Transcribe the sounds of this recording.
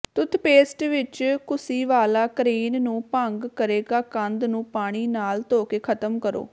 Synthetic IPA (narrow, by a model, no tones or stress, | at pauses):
t̪ʊt̪peːsʈʋɪt͡ʃkʰʊsiːʋaːlaːkɾiːnnũːpəŋɡkəɾeːɡaːkə̃nd̪nũːpaːɽ̃iːnaːlt̪oːkeːkʰət̪əmkəɾo̰ː